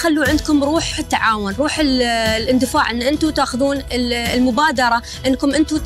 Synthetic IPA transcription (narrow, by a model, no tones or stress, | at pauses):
xalːuʕɪnd̪̚kʊmɾˤuːħɪt̪ːaʕaːwʊnɾˤuːħɪllʔɪnd̪ɪfaːʕʔɪnːʔɪnt̪ut̪aːxʊðuːnɪlmʊbaːd̪ɑɾˤɑ | ʔɪnːkʊmʔɪnt̪u